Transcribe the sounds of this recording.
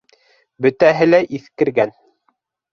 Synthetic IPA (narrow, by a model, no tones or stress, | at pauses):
bɵ̆t̪æɦɘlæʔiθkɘ̆ɾɡæn